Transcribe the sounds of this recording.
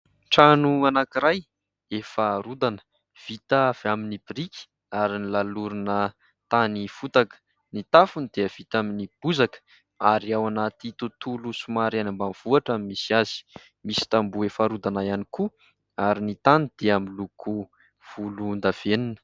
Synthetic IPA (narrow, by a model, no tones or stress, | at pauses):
ʈ͡ʂanuanakiɾaj | efaɾud̪anə̥ | v̥it̪v̥aminibiɾikʲi̥ | aɾinilaluɾunə | t̪anifut̪akə̥ | nit̪afunid̪̥eəv̥it̪aminib̥uzakə̥ | aɾiawanat̪it̪ut̪ulusumaɾanambanv̥uaʈ͡ʂamimisiazi̥ | misi̥t̪ambuefaɾud̪anajaniku | aɾinit̪anid̪̥eamiluku | v̥ulund̪av̥eninə̥